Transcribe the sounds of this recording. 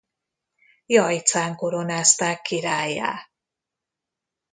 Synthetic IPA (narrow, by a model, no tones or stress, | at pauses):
jɒjt̪saːŋkoɾonaːst̪aːkːiɾaːjːa̰ː